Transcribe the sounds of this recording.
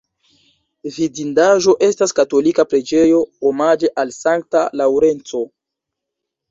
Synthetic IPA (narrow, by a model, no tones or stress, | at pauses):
vidindaʒo̞ʔe̞staskato̞likapɾe̞d͡ʒe̞jo̞omad͡ʒe̞ʔalsaŋk̚talawɾe̞nt͡so̞